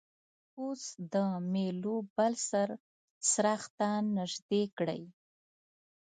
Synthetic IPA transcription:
usd̪əmelobalsaɾ | sɾaxt̪anəʒd̪ekɽə̰j

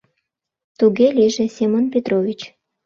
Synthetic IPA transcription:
t̪uɣeliʒesʲemonpʲet̪rovʲit͡ɕ

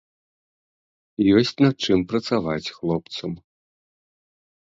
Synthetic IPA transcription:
jɔsʲt͡sʲnɐt̪̚t͡ʂɨmpɾɐt̪savat͡sʲxlˠɔp̚t̪sɐm

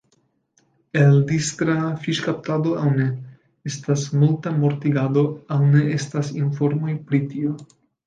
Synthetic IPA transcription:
eld̪ist̪ɾafiʃkap̚t̪ad̪o̞awne̞ | estasmultamoɾt̪iɡad̪o̞awne̞estasinfo̞ɾmo̞jpɾit̪io

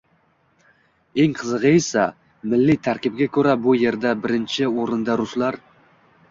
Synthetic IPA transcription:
e̞ŋqʰɨzɨʁɨesa | mɪlːɪt̪ʰaɾkʲɪb̚ɡʲakʰʲɵɾabʊje̞ɾd̪abɪɾɪnt͡ʃʰɪoɾɪnd̪aɾʊslaɾ

